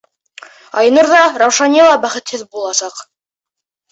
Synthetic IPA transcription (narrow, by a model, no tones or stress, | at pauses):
ɑj̆nɤ̆ɾðɑɾɑwʃɑnʲilˠɑbæχɘ̆t̪hɘðbulˠɑsɑq